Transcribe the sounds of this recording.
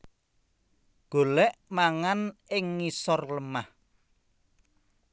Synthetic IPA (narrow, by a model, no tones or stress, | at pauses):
ɡ̥o̤lɛʔmaŋanɪŋːisɔrləmah